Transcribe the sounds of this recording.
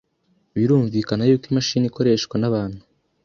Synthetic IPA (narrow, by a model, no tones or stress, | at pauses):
βiɾuːɱvikanajuːkwimaʃiːniko̞ɾe̞ːʃkwanaβaːn̥hu